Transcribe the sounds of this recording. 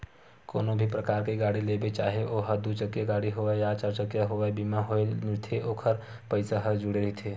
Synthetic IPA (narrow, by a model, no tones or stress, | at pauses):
koːnõbʱipɾɐkaːɾkeɡaːɽileːbet͡ʃaːɦeʔoːɦəɾd̪ut͡ʃəkjeɡaːɽiɦoːʋaejaːt͡ʃəɾt͡ʃəkjaɦoʋaebiːmaɦoemɪɾt̪ʰeʔoːkʰəɾ | pəɪsaɦɐɾd͡ʒʊɽeɾɐɦit̪ʰeː